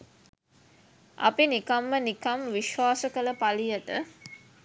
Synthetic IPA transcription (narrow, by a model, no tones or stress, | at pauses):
a̰pinikamːənikamʋiʃʋaːsəkələpalijəʈə